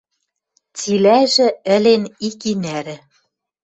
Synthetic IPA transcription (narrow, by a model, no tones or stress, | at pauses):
t͡silæʒɘ̆ɘ̆lenikinæɾɘ̆